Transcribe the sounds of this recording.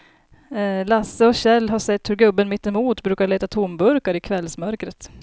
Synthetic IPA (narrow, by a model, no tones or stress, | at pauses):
lasːəɔɕɛlːɦaʂɛt̪ʰːɵɾɡɵbːənmɪt̪ːɛmuːt̪bɾʉ̟ːkaɭeːt̪at̪ʰʊmbɵɾkaɾɪkʰvɛlsmœɾkɾət̪